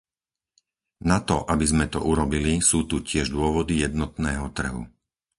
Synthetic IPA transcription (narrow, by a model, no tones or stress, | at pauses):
nat̪ɔʔabizmɛt̪ɔʔuɾɔbilisuːt̪ucɪɛʒd̪ʊɔʋɔd̪ijɛd̪nɔt̪nɛːɦɔt̪r̩ɦṵ